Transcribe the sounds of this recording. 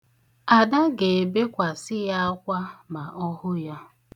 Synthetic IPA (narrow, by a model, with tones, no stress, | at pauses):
a˨da˦ɡe˨be˦kʷa˨sɪ˦ja˦a˦kʷa˦ma˨ɔ˦hʊ˦ja˦